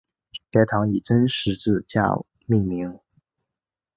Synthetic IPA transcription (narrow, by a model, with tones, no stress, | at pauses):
ka˥˧˥ɪt̪ʰɑ˧˥ŋi˨˩ʈ͡ʂə˥nʂɻ̩˧˥ʈ͡ʂɹ̩˥˧t͡ɕja̰˥˩ | mi˥˩ŋmi˧˥ŋ